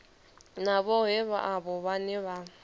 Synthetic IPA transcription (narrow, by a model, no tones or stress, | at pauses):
naβɔɦɛβa̰ʔaβɔβanɪβa